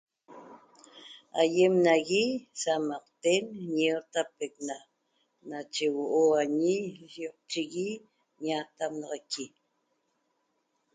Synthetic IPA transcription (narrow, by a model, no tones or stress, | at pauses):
a̰jemnaɣisamaq̚t̪enɲeɾt̪apekna | nat͡ʃewoʔoaɲiʃjoq̚t͡ʃiɣi | ɲat̪amnɑʁaki